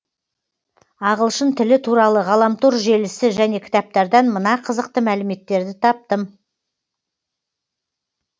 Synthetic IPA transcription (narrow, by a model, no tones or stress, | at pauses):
ɑʁəlˠʃənt̪ʰɪlɪt̪ʰuɾɑlˠəʁɑlˠɑmt̪oɾʒe̞lɪsɪʒæne̞kʲʰɪ̥t̪ɑp̚t̪ɑɾd̪ɑnmənɑqʰəzəqt̪əmælɪme̞t̪ːe̞ɾd̪ɪt̪ʰɑp̚t̪əm